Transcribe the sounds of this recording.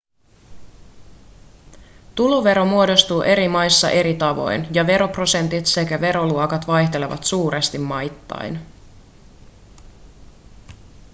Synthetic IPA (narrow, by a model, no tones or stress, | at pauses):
t̪uloʋe̞ɾo̞muo̞do̞st̪uːʔe̞ɾimɑjsːɑ̰ʔe̞ɾit̪ɑʋo̞̰jnjɑʋe̞ɾo̞pro̞se̞nt̪it̪se̞kæʋe̞ɾo̞luokɑt̪ʋɑjht̪e̞le̞ʋɑ̰t̪suːɾest̪imːɑjt̪ːɑ̰jn